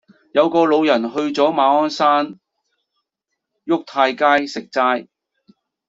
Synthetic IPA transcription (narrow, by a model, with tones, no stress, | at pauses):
jɐ˨˧wkɔː˧lo˨˧wjɐ˨˩nɦɵ˧ɥt͡sɔː˨˥maː˨˧ɔː˥nsaː˥n | jʊ˥k̚t̪ʰaː˧jkaː˥jsɪ˨k̚t͡saː˥j